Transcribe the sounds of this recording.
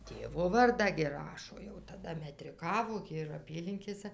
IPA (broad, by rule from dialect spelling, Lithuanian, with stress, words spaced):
ˈtʲeːʋoː ˈʋɐrdɑː ɡʲɪ ˈrɑːʃoː jɛʊ tɐˈdɐ mʲɛtʲrʲɪˈkɑːʋoː ɡʲɪ ɪr ˈɑːpʲiːlʲɪŋʲkʲeːsɐ